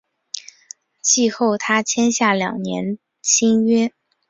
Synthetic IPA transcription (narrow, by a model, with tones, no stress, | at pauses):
t͡ɕʰi˥˧xo˥˩ʊt̪ʰa˥t͡ɕʰjɛ˥nɕja˥˩ljɑ̰˨˩ŋnjɛ̰˧˥n | t͡ɕʰi˥ŋɥɛ˥